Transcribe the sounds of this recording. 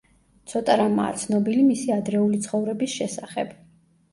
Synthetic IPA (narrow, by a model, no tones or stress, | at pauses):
t̪sʰɔt̪ʼaɾama̰ːt̪sʰnɔbilimisiad̪ɾɛulit̪sʰχɔvɾɛbisʃɛsaχɛ̰b̥